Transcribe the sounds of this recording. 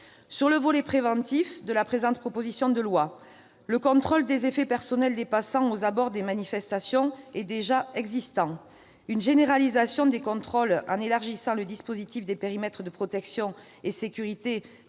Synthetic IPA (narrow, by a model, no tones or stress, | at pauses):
syʁləvɔlepχevɑ̃t̪ifd̪əlapχezɑ̃t̪̚pχɔpozisjɔ̃d̪əlwa | ləkɔ̃t̪χɔld̪ezefepɛʁsɔnɛld̪epasɑ̃ozabɔʁd̪emanifɛst̪asjɔ̃ɛd̪eʒaɛɡzist̪ɑ̃ | ynʒeneʁalizasjɔ̃d̪ekɔ̃t̪χɔlɑ̃nelaʁʒisɑ̃ləd̪ispozit̪ifd̪epeʁimɛt̪χəd̪əpχɔt̪ɛksjɔ̃ | esekʲyʁit̪e